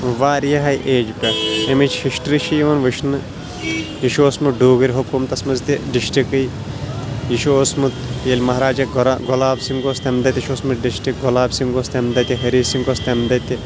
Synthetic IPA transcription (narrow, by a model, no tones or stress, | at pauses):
ʋaːɾjɐɦɐjʔeːd͡ʒpʲɐemit͡ʃʰhiʃʈɾiʃiːʋɐnʋɨʃnɨ | jiʃoːsmɨɖuːɡɨɾʲɦokomt̪ɐsmɐzt̪iɖiʃʈikɨj | jiʃoːsmɨt̪jelʲmɐɦɾaːd͡ʒɐɾɡɔlaːbsiŋɡoːst̪ɐmd̪ɐt̪ʲiʃoːsmɨɖiʃʈiɡolaːbsiŋɡost̪emd̪ɐt̪ʲiɦɐɾiːsiŋɡost̪ʲemd̪ɐt̪ʲi